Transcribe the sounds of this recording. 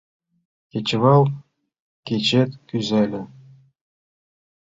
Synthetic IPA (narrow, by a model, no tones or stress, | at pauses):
kʲet͡ɕβɑlˠ | kʲet͡ɕet̪kyzelʲɘ̆